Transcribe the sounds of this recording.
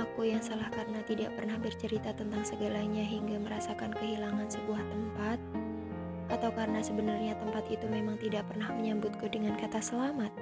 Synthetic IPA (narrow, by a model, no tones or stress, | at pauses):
akujaŋsalahkaɾənat̪idaʔpərnahbərt͡ʃəɾit̪at̪ənt̪aŋsəɡalaɲaɦiŋɡaməɾasakankəɦilaŋansəbuaht̪əmpat̪̚ | at̪awkaɾənasəbənarɲat̪əmpat̪it̪umemaŋt̪idaʔpərnahməɲambʊt̪̚kudəŋankat̪asəlamat̪̚